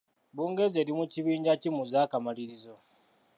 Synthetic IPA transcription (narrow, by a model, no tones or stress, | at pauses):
buːŋɡe̞ze̞ːɾimuciβiːɲɟacimuzaːkamaliɾizo̞